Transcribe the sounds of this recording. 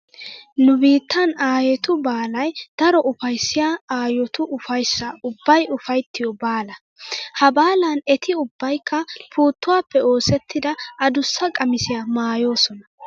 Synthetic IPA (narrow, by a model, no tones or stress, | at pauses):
nʊbiːt̪ːɐnaːjɛt̪ʊbaːlɐjd̪̥ɐɾɔʔʊfɐjsːɪjaːaːjɔt̪ʊʔʊfɐjsːɐʊbːɐjʊfɐjt̪ːɪjɔbaːlɐ | hɐbaːlɐnɛt̪ʰɪʊbːɐjkʰːɐpʰuːt̪ːʊwaːpːɛo̞ːsɛt̪ːɪd̪ɐɐd̪ʊsːɐkʼɐmɪsɪjamaːjo̞ːsɔnɐ